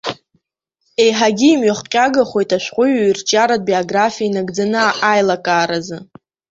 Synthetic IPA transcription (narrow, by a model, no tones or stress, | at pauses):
e̞jħaɡʲiːmɥaχqʲʼaɡaχʷo̞jtʼaʃʷᶣqʷʼʊɥirt͡ʃʼaɾad̚bioɡrafiainaɡd͡zanɨaʔajlakʼaːɾazɨ